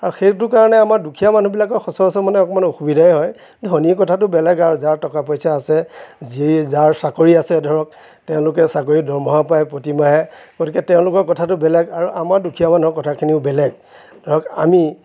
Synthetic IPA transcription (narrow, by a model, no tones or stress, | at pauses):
aɹuxetʊkaɹɔnɛamaɹdukʰijaman̤ubilakɔɹxɔsɔɹɔsɔmanɛɔkɔmanoxubidʱaɛɦɔj | dʱɔniɔkɔtʰat̬ʊbɛlɛɡaɹuzaɹtɔkapɔjsaːsɛzizaɹsakoɹiasɛdʱɔɹɔk̚ | tɛʊ̃lʊkɛsakoɹidɔɹmɔɦapajpɹotimaɦɛkotikɛtɛʊ̃lʊkɔɹkɔtʰatʊbɛlɛɡaɹuʔamaɹdukʰijamanuɔkɔtʰakʰiniʊbɛlɛɡ̚ | dʱɔɹɔka̰mi